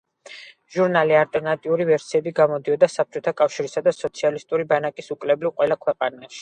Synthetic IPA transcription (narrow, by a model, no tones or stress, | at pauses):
ʒ̥uɾnalialt̪ʼɛɾnat̪ʼiuɾivɛɾsiɛbiɡamɔd̪iɔd̪asap̚t͡ʃʼɔt̪ʰakʼafʃiɾisad̪asɔt̪sʰialist̪ʼuɾibanakʼisukʼlɛblivqʼwɛlˠakʰwɛqʼanaʃi̥